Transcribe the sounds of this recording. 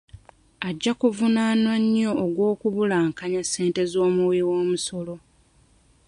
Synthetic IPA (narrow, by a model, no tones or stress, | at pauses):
aɟːakuvunaːnwaɲjo̞ʔːɡwo̞ːkuβulaːŋkaɲasːe̞ːnte̞zo̞ːmuwiwo̞ːmuso̞lo̞